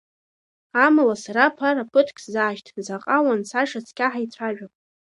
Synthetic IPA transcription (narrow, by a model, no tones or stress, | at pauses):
amalasaɾapʰaɾapʰɨtʰkʼʰzaːʃtʰzaqʼawansaʂat͡sʰkʲʰaħait͡sʷʰaʒᶣapʼ